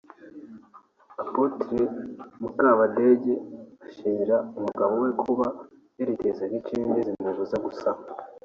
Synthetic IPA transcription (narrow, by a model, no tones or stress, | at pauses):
apotiɾemukaːβadeɟeaʃiiɾaumuɡaβo̞wekʰuβa | jeɾiteːzakit͡ʃiːndizin̥aβuzaɡusa